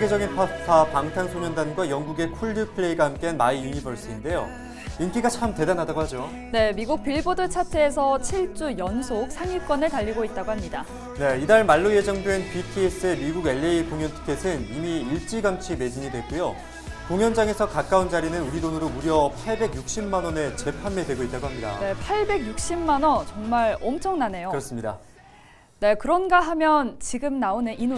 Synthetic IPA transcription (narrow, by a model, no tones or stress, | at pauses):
eɡed͡ʑʌɡinpʰapʰapaŋtʰansʰoɲʌndanɡwajʌŋɡuɡe̞kʰuɭdɯpʰɯɭe̞iɡahamk͈e̞anmaiiɲibʌɭs͈ɯinde̞jo̰ | ink͈iɡat͡ɕʰamte̞danɦadaɡoɦhad͡ʑo | ne̞miɡuk̚piɭbodɯɭt͡ɕʰatʰeːsʰʌt͡ɕʰiɭt͡ɕ͈ujʌnsʰok̚sʰaŋiɭk͈wʌnɯɭtaʎːiɡoit̚t͈aɡoɦamɲida | ne̞idaɭmaɭːojed͡ʑʌŋdwe̞npitʰies͈ɯemiɡuɡe̞ɭːeikoŋjʌntʰɯ̥kʰe̞sʰɯnimiːɭt͡ɕ͈iɡamt͡ɕʰime̞d͡ʑiɲidwe̞k͈ujo | koŋjʌnd͡ʑaŋe̞sʰʌkak͈aund͡ʑaɾinɯnuɾidonɯɾouɾjʌpʰaɭbe̞ɡjuk̚ɕ͈imːanʌne̞t͡ɕe̞pʰanmedwe̞ɡoit̚t͈aɡoɦamɲida̰ne̞pʰaɭbe̞ɡjuk̚ɕ͈imːanʌnt͡ɕʌŋmaɭʌmt͡ɕʰʌŋnane̞jokɯɾʌs͈ɯmɲida̰ | ne̞kɯɾʌnɡaɦamjʌnt͡ɕiɡɯmnaonɯʔinu